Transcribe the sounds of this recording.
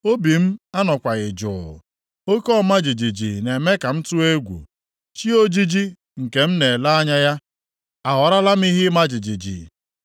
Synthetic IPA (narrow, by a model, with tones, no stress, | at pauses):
o˦bi˨m̩˦a˦nɔ˨kʷa˨ɣɪ˨d͡ʒʊ˨ʊ̰˨ | o˦kɔ˦˨ma˦d͡ʒi˨d͡ʒi˨d͡ʒi˨ne˨me˦ka˨m̩˦tʊ˦e˦ɡʷṵ˨ | t͡ʃi˦o˦d͡ʒi˦d͡ʒi˦ | ŋ̩˨ke˨m̩˦ne˨la˦a˦ɲa˦ja˦ | a˨ɦɔ˨ɾa˦la˦m̩˦i˦ɦɪ˦ma˦d͡ʒi˨d͡ʒi˨d͡ʒḭ˨